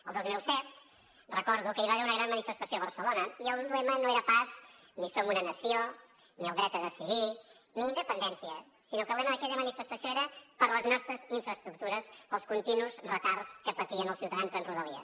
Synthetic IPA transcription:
əlˠd̪ozmilˠsɛt̪̚ | rəkɔɾðukəiβaβɛunəɣɾanmənifəst̪əsioβəɾsəlonəiəlˠlɛmənoeɾəpaz | nisomunənəsio | niəlˠd̪ɾɛt̪əðəsiði | niind̪əpənd̪ɛnsiə | sinokəɾllɛməðəkɛʎəmənifəst̪əsijoeɾəpəɾləznɔst̪ɾəziɱfɾəst̪ɾuk̚t̪uɾəsəlˠskunt̪inuzrət̪arskəpət̪iənəlˠsiwt̪əðanzənruðəliə̰

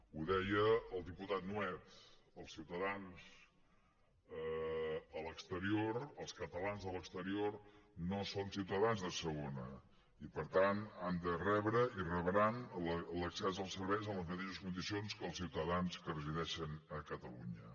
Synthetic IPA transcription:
uðɛjəːlˠd̪iput̪at̪̚nuɛt̪əlˠsiwt̪əðanz̥ | əələkst̪əɾioɾəlˠskət̪əlanzðələkst̪əɾiornosonsiwt̪əðanzðəsəɣonə | ipəɾt̪anand̪ərɛβɾəirəβɾanləksɛzəlˠsəɾβɛjzəmləzmət̪eʃəskund̪isionskəlˠsiwt̪əðanskərəziðɛʃənəkət̪əlṵɲə

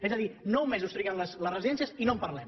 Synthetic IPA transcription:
ezəðinowmezust̪ɾiɣɛmləslərəziðɛnsijəzinompəɾlɛm

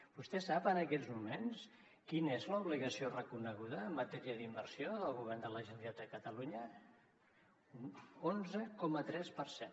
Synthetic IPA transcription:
b̥ust̪ɛsapənəkɛzmumens | kinəezləuβliɣəsiorəkunəɣuðəːmːət̪ɛɾiəðimbəɾsioðəlˠɣuβ̞ɛrnd̪ələʒənd̪iat̪əkət̪əluɲə | unonzəkɔmət̪ɾɛspəɾsen

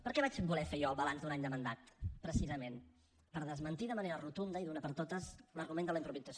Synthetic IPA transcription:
pəɾkɛβat͡ʃbulɛfejɔəlˠβəlanzd̪unaɲd̪əmənd̪at̪pɾəsizəmen | pəɾðəzmənt̪iðəməneɾərut̪und̪əiðunapəɾt̪ot̪əzləɾɣumẽnd̪ələimpɾuβizəs

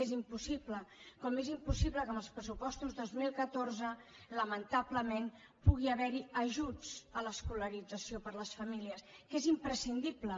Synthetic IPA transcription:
ezimpusipləkɔmezimpusiβləkəməlˠspɾəsupɔst̪uzðozmilˠkət̪oɾzə | ləmənt̪abləmen | puɣ̞iəβɛɾiəʒut͡sələskuləɾid͡zəsiopəɾləsfəmiliəskezimpɾəsind̪iplə

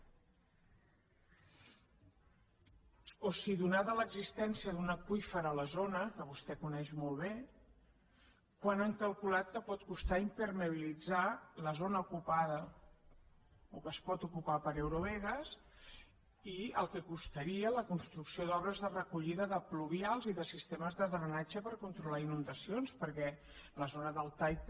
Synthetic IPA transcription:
osiðunaðələɡzist̪ɛnsiəðunəkujfəɾələzonəkəβust̪ɛkunɛʃmɔlˠβ̞e | kwanaŋkəlˠkulat̪̚kəpɔt̪kust̪aimpəɾməβilid͡zaləzonəukupaðə | okəspɔt̪ukupapəɾewɾuβɛɣəs | iə̰lˠkəkust̪əɾiələkunst̪ɾuksioðɔβɾəzðərəkuʎiðəðəpluβialˠziðəsist̪eməzðəzɾənad͡ʒəpəɾkunt̪ɾulainund̪əsionspəɾkɛ | ləzonəðəlˠt̪aj

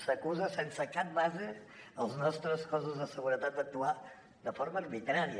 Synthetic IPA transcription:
səkuzəsɛnsəkap̚bazəəlˠznɔst̪ɾəskɔzuzðəsəɣuɾət̪at̪ək̚t̪ua | d̪əfɔɾməːrβit̪ɾaɾiə

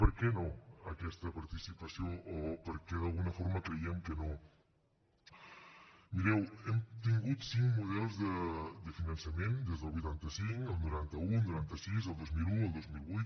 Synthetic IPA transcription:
pəɾkɛnoəkɛst̪əpaɾt̪isipɐsjoʔːpəɾkeðalˠɣunɐfoɾməkɾeiəŋkəno | miɾɛwemt̪iŋɡut̪siŋmuð̞ɛlˠzðəd̪əfinɐnsɐmend̪ezðəlˠβujt̪ant̪əsiŋkəlˠnuɾant̪əunuɾant̪əsizəlˠd̪ozmiluəlˠd̪ozmilˠβujt̪

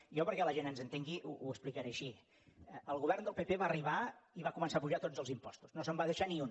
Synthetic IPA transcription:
jɔpəɾkɛləʒenənzənt̪eŋɡiʔṵuəsplikəɾeəʃi | əlˠɣuβɛrnd̪əlˠpepeβaəriβaiβakumənsapuʒat̪od͡zəlˠzimpɔ̰st̪u̥znosəmbaðəʃaniun

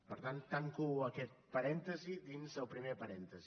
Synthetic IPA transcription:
pəɾt̪ant̪ːaŋkuəkɛt̪̚pəɾɛnt̪əziðinzəlˠpɾimepəɾɛnt̪əzi

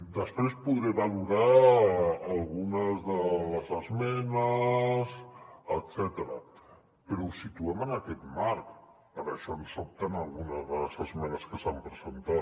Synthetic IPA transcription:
d̪əspɾespuðɾɛβaluɾaː | lˠɣunəzðələzəzmɛnəsət̪sɛt̪əɾə̰ | pəɾɔusit̪uɛmənəkɛt̪maɾk | əβɛʃɔnsop̚t̪ənəlˠɣunəzðələzəzmɛnəskəsampɾəzənt̪at̪

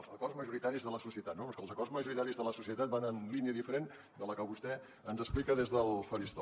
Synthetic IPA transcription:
lˠzəkɔrzməʒuɾit̪aɾizðələsusiət̪at̪nopɔskəlˠzəkɔrzməʒuɾit̪aɾizðələsusiət̪at̪̚banənliniəðifəɾen | d̪ələkəβust̪ɛ | ənzəsplikəðezðəlˠfəɾist̪ɔ

